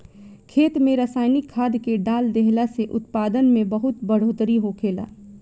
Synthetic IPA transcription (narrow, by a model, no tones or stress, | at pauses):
kʰeːt̪mẽɾəsaːnikʰːaːd̪keɖaːld̪eɦlaseʔʊt̪paːd̪ənmẽbəɦʊt̪bəɽ̤oːt̪ɾiɦokʰeːla̰ː